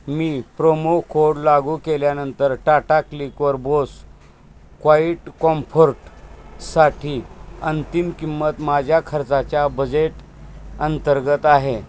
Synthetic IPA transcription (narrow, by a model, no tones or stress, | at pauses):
miːpɾomokʰoɽlaɡukeljanənt̪əɾʈaʈaklikʋəɾbos | kʋaiʈkɔmfəɾʈsaʈʰiːənt̪imkimːət̪mad͡ʑʱjakʰəɾt͡sat͡ɕjabəd͡ʑeʈ | ənt̪əɾɡət̪aɦe